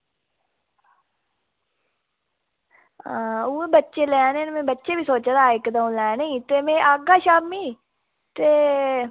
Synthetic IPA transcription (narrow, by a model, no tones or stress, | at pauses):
aːueːbətːʃeːlɛːnẽnmẽːbətːʃeːbiːsoːt͡ʃːd̪aːɪkd̪aũlɛːneĩːt̪eːmẽːʔaːɡaːʃaːmːiː | t̪eː